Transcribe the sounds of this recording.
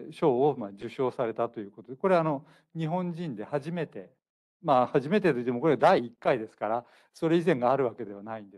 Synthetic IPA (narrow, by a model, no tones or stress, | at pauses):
ɕo̞ːomad͡ʑɨɕo̞ːsaɾe̞t̪at̪o̞jɯ̟ːkot̪o̞d̪eko̞ɾe̞ano̞ | ɲ̟iɦõ̞ɲd͡ʑĩnd̪e̞haʑime̞t̪e̞ | mahaʑime̞t̪̬et̪o̞it̪ːemoko̞ɾead̪aiːkːaid̪e̞sɨ̥kaɾa | so̞ɾe̞izẽ̞ŋɡaːɾɯ̟βake̞d̪e̞β̞anaĩnd̪e̥